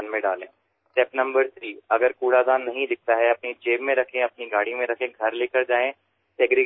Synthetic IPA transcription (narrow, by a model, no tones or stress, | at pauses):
nmẽɖaːlẽː | sʈɛːpnɐ̃mbəɾt̪ʰɾiːɐɡəɾkuːɽad̪aːnːɐɦĩd̪ɪk̚t̪aɦɛɐpnid͡ʒeːbmẽɾɐkʰẽɐpniɡaːɽimẽɾɐkʰẽɡʱɐɾleːkəɾd͡ʒaːẽ | sɛːɡɾɪ